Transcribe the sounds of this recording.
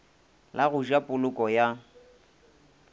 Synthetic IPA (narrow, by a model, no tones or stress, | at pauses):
laɣʊʒapʼʊlʊkʼɔja